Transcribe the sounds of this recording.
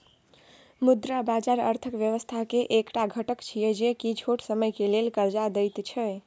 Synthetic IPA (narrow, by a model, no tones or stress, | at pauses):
mud̪ɾabad͡ʒaɾə̰ɾt̪ʰəkʋjəʋəst̪ʰakeʔekʈaɡʱəʈəkt͡ʃʰijɛd͡ʒekit͡ʃʰoʈsəməjkelelkəɾd͡ʒad̪əjt̪t͡ʃʰɛ